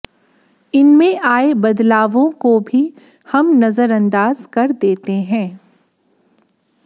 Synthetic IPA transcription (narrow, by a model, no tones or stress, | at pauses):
ɪnmẽʔaːebɐd̪laːʋõkobʱi | hɐmnɐzəɾɐ̃nd̪aːz̥kɐɾd̪eːt̪eɦɛ̃ː